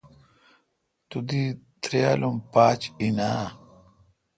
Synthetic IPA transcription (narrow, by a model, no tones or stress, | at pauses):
t̪ud̪it̪ɾejalumpaːt͡ɕinaː